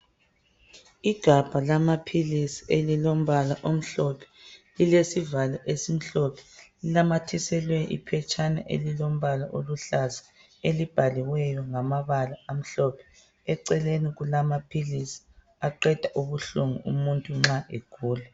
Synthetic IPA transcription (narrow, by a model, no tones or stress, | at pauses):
iɡ̥ʱab̥ʱalamapʰilisielilom̩βalaʔom̩ɬɔpʰɛ̥lilesivalaʔesim̩ɬɔpʰɛ̥lilamatʰisɛlwɛʔḭpʰɛt͡ʃʰʼana̰ʔḛlilom̩βalaʔoluɬazḁ | elib̥ʱaliwɛjɔŋamaβalaːm̩ɬɔpʰɛ̥ | ɛǀɛleniɣulamapʰilisi̥ | aǃɛd̥ʱaʔuβuɬuŋuʔumuntʼuŋ͡ǁaʔekʰuːlɛ